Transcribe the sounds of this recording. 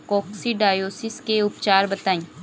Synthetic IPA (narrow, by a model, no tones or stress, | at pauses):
kɔːksiɖaːjoːsɪskeʊpt͡ʃaːɾbɐt̪aːĩː